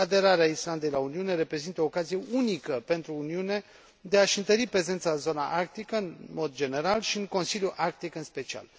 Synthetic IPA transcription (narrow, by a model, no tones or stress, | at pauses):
ad̪e̞ɾaɾeaisland̪e̞jlauniune̞ɾe̞pɾe̞zint̪əo̞ːkazije̞ʔunikəpe̞nt̪ɾuːniune̞ | d̪e̞aʃɨnt̪əɾipɾe̞ze̞nt̪sazo̞naʔark̚t̪ikəɨnmo̞d̪d͡ʒe̞ne̞ɾalʃiɨŋko̞nsiljuʔark̚t̪ikɨnspe̞t͡ʃia̰l